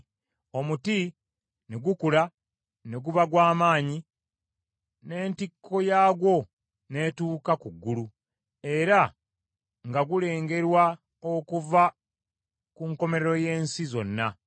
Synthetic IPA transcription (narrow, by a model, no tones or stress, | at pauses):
o̞muti | ne̞ɡukula | ne̞ɡuβaɡwaːmaːɲi | ne̞ːntikʰːo̞jaːɡwo̞ | ne̞tuːkakuɡːulu | e̞ɾa | ŋɡaɡule̞ːŋɡe̞ɾwa | okuva | kuŋko̞me̞ɾeɾo̞je̞ːnsizo̞nːa